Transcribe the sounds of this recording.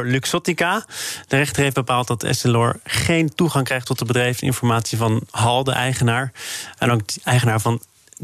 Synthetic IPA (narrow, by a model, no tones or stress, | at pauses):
ɹlyksɔtikad̥ərɛχtərɦejfbəpaːlˠt̚dɑtɛ̰sɛlɔːɹχejntuχɑŋkrɛjχtɔtəbədrɛjfɪ̰nfɔɹmaːtsivɑnɦɑlˠdə̰ʔɛjχənaːɹɛnowk̚dɛjχənaːɹvɑn